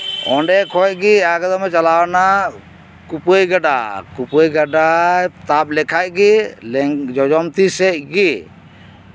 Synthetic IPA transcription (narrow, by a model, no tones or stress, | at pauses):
ɔ̰ɳɖɛkʰɔc̚ɡiaɡɛd̪ɔmɛt͡ʃalawna | kupojɡaɖa̰kupojɡaɖat̪ap̚lɛkʰaj̚ɡilɛd͡ʒɔd͡ʒɔmt̪isɛc̚ɡi